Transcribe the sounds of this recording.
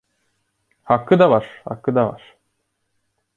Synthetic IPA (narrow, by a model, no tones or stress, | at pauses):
hakːɯd̪avaɾ̥ha̰kːɯd̪ava̰ɾ̥